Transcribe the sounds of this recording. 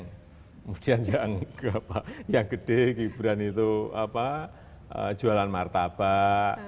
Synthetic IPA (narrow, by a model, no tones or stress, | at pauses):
ŋ | mud̥iand͡ʒaʔaŋkapajaŋɡəɖ̥ekibɾanit̪ua̰pa | ə̰̥d͡ʒ̥ualanmart̪ab̥a